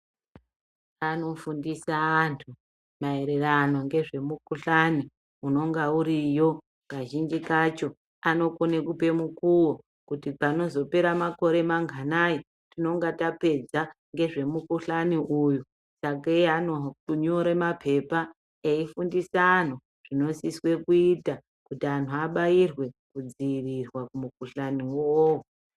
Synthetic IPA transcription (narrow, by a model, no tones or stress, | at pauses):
ano̞fundisaːntʰu | maeɾerano̞ŋɡe̞ʐe̞mukuɬani | uno̞ŋɡauɾijo̞ | kaʒind͡ʒikat͡ʃo̞ | ano̞konekupe̞mukuwo | kutipano̞zo̞pe̞ɾamako̞ɾe̞maŋɡʱanaji | tino̞ŋɡatape̞d͡za | ŋɡe̞ʐe̞mukuɬaniʔuju | sak̬eanouɲoɾemapʰe̞pa | eifundisaːn̤u | ʐ̥ino̞siswe̞kuita | kutiantʰuaɓajirwe̞kud͡ziːrirwakumukuɬaniwoo